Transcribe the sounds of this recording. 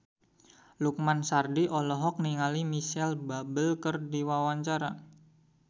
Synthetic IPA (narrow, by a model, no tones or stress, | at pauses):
luk̚mansardiʔɔlɔɦɔk̚niŋalimiʃɛlbabəlkərdiwawaɲt͡ʃaɾa